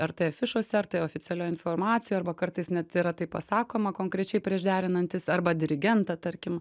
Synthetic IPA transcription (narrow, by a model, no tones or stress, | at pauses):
ɐrt̪ɐjfʲɪʃoːsʲɛɐɾt̪ɐɪoːfʲɪsʲɛlʲoːjɪnfoːrmɑːt̪sʲɪjuːɐɾbɐkɐɾt̪ɐɪsnʲɛt̪ɪɾɐt̪ɐɪppɐsɑːkoːmɐkoːŋkɾʲɛt͡ʃʲɛɪpʲɾʲiɛʒd̪ʲæːɾʲɪnɐnʲt̪ʲɪsɐrbɐd̪ʲɪɾʲɪɡʲɛnt̪ɑt̪ɐɾʲkʲɪm